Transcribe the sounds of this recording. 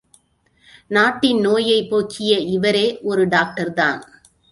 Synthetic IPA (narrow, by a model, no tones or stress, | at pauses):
naːʈːɪnnoːjɐɪpːoːkʰɪjɐɪʋɐɾeːʔɔɾɯɖaːk̚ʈɐɾða̰ːn